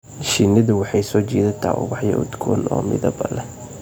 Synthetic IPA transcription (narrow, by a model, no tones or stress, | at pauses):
ʃinɐðʊwɑħɑjsɔːt͡ʃɛːðɐt̪ʰa̰ːʔʊ̰ɣɑħjɐ̰ʔʊ̰d̪ɡʰɔ̰nɔ̰ːmɪ̰ðɐbɐlɛ